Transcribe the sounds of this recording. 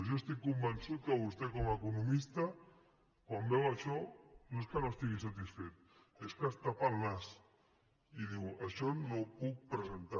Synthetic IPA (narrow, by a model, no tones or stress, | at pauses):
zjoest̪ikːumbənsut̪̚kəβust̪ekɔmakunumist̪a | kwambɛwəʃɔnoeskənoest̪iɣisat̪isfet̪̚ | eskəst̪apalnas | iðiwəʃɔnopuk̚pɾəzent̪a